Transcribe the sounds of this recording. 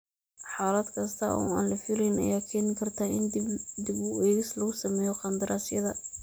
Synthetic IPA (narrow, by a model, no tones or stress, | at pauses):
ħɑːlɐd̪kʰɐst̪ʰɐʔɔ̰ːa̰ːnlɐfɪlɛjnɐ̰jaːkʰɛːnɪkʰɐrt̪ʰaːɪnd̪bd̪ɪbʊɛːɣɪslɐɣʊsɐmɛːjɔqɑnd̪ɪɾʔaːsjɐðɐ